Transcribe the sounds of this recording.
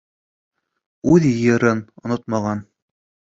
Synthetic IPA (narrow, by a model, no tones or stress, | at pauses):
ʉðjjɤ̆ɾɤnŏnot̪̚mɑʁɑn